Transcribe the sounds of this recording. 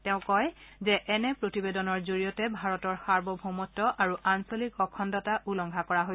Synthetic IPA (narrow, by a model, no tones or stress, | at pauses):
tɛʊ̃kɔjzɛʔɛnɛpɹotibedɔnɔɹzoɹijɔtɛbʱaɹɔtɔɹxaɹbɔbʱomɔtːɔʔaɹuʔansolikɔkʰɔndɔtaʔulɔŋɡʱakɔɹaɦo